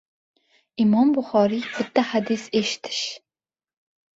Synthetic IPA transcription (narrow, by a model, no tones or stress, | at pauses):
ʔimɑmbʊχɑːɾib̥ɪt̪ːæħad̪iseʃt̪ʰɪ̥ʃ